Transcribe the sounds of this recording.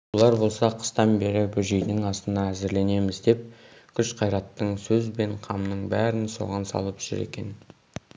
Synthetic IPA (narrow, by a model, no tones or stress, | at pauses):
wolˠɑɾbo̞lˠsɑqʰə̥st̪ɑnbe̞ɾɪbʏʒejd̪ɪŋɑst̪ənɑæzɪɾle̞ne̞mɪzd̪e̞p̚kʲʰʏʃqʰɑjɾɑt̪ːəɴsɵzbe̞ɴqʰɑmnəɴbæɾɪnso̞̰ʁɑnsɑ̰lˠəpʒ̥ʏ̰ɾe̞̰kʲe̞̰n